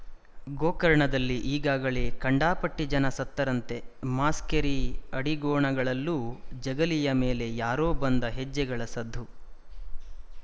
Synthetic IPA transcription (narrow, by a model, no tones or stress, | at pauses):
ɡoːkɐɾɐɳɐd̪ɐlːiʔiːɡaːɡɐɭe̞ːkɐɳɖaːpɐʈːid͡ʒɐnɐsɐt̪ːɐɾɐnt̪e̞maːskeɾiɐɽiɡɔːɳɐɡɐɭɐlːuːd͡ʒɐɡɐlijɐmeːlejaːɾoːbɐnd̪ɐɦed͡ʒːɛɡɐɭɐsɐd̪ʱːu